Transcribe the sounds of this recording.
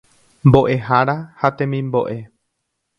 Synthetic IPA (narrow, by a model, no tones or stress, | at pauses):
mbo̞ʔe̞ɦaɾahat̪ẽ̞mĩmboʔe̞